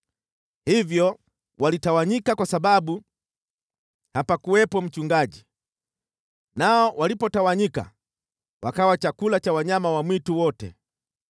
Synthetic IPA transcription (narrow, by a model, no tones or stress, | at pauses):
hivjɔ | wʔalitawaɲikakwasaɓaɓu | hapakuwɛpɔm̩t͡ʃuŋɡaʄi | naɔwʔalipɔtawaɲika̰ | wakawat͡ʃakulat͡ʃawaɲamawamwituwɔtɛ̰